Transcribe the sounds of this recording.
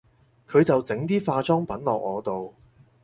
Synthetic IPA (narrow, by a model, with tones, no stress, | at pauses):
kʰɵ˨˧ɥt͡sɐ˨wt͡sɪ˨˥ŋt̪iː˥faː˧t͡sɔː˥ŋpɐ˨˥nlɔː˨k̚ŋɔː˨˧t̪o˨w